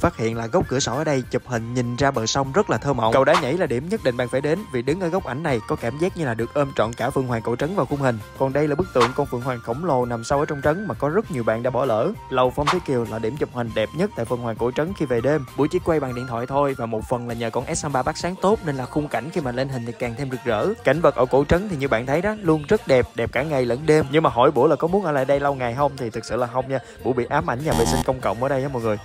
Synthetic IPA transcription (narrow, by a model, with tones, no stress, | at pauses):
faː˦˥t̚hḭ˧˨ənlaː˨˩ɣə˦˥wk͡p̚kɨ̰˧˩əsɔ˧˩ʔəː˧˦ɗə˧jt͡ɕɨ˨˩p̚hï˨˩ŋ̟ɲï˨˩ŋ̟zaː˧ɓəː˧˨˩sa˧wŋ͡mzə˦˥t̚laː˨˩t̪ʰəː˧mə̰˧˨wkə˨˩wɗaː˧˦ɲə̰˧˥jlaː˨˩ɗi˧˩əmɲə˦˥t̚ɗḭ̈˧˨ŋ̟ɓa̰ː˧˨faː˧˩jɗe˨˦nvi˨˩ɗɨ˨˦ŋʔəː˧˩ɣə˦˥k͡pʔa˧˩jŋ̟na˨˩jkɔ˨˦kaː˧˩mzaː˦˥k̚ɲɨ˧laː˨˩ɗɨ˨˩ək̚ʔəː˧mt͡ɕɔ̰˧˨nkaː˧˩fɨ˧əŋɦwaː˨˩ŋko̰˧˩t͡ɕə˨˦nvaː˨˩wxʊ˧ŋ͡mhï˨˩ŋ̟kɔ˨˩nɗə˧jlaː˨˩ɓɨ˦˥k̚t̪ɨ̰˧˨əŋkɔ˧nfɨ̰˧˩ŋwaː˨˩ŋxə˧˩wŋ͡mlo˨˩na˨˩msa˧wʔəː˧˦t͡ɕɔ˧ŋ͡mt͡ɕə˨˦ŋmaː˨˩kɔ˨˦zə˦˥t̚ɲi˨˩əwɓa̰ː˧˨nɗa̰ː˧˥ɓɔ˧˩lə̰ː˧˨lə˨˩wfa˧wŋ͡mt̪ʰi˨˦ki˨˩əwlaː˨˩ɗi˧˩əmt͡ɕɨ˨˩p̚hï˨˩ŋ̟ɗɛ˨˩p̚ɲə˦˥t̚t̪a̰ː˧˨jfə˧˩nhwaː˨˩ŋko̰˧˩t͡ɕə˨˦ŋnxi˧ve˨˩ɗe˧mɓu˧˦jt͡ɕi˧˦kwa˧jɓa̰ː˧˨˩ɗḭ˧˨ənt̪ʰwaː˧˨jt̪ʰo˧jvaː˨˩mo˨˩t̚fə˨˩nlaː˨˩ɲəː˨˩kɔ˧˩nʔɛ˦˥saː˧ɓaː˧ɓaː˦˥k̚saː˨˦ŋt̪o˦˥t̚ne˧nlaː˨˩xʊ˧ŋ͡mka˧˩jŋ̟xi˧maː˨˩le˧nɦi̟˨˩t̪ʰi˨˩kaː˨˩ŋt̪ʰe˧mzɨ˨˩k̚zə̰ː˧˥ka˧˩jŋ̟və˨˩t̚ʔə̰ː˧˩ko̰˧˥t͡ɕə˨˦nt̪ʰi˨˩ɲɨ˧ɓa̰ː˧˨nt̪ʰə˨˦jɗa˨˦lu˧ənzə˦˥t̚ɗɛ˨˩p̚ɗɛ˨˩p̚kaː˧˩ŋa˨˩jlə˧˩nɗe˧mɲɨ˧ŋmaː˨˩ɦɔ̰˧˩jɓu˧˩əlaː˨˩kɔ˨˦mu˨˦ənʔəː˧˦la̰ː˧˨˩ɗə˧jlə˧wŋa˨˩jɦə˧wŋ͡mt̪ʰi˨˩t̪ʰɨ˨˩k̚sɨ̰˧˨laː˨˩ɦə˧wŋ͡mɲaː˧ | ɓṵ˧˥əɓḭ˧˨ʔaː˨˦˥mʔa̰˧˩jŋ̟ɲaː˧˩vḛ˧˨˩si˧ŋ̟kə˧wŋ͡mkə̰˧˨wŋ͡mʔə̰ː˧˩ɗə˧jʔːmɔ̰˧˨˩jŋɨ˨˩əj